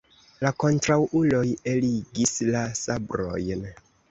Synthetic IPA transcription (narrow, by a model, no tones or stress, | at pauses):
lako̞ntɾawʔulo̞jeliɡislasabɾo̞̰jn